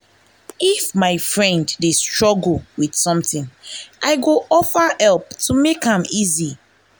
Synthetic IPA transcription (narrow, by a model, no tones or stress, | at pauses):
ifmaɪfɹɛ̃nddestɹɔɡl̩wid̥sɔ̃mtɪ̃nʔaɪɡoɔfəhɛlptʰumekhãmizi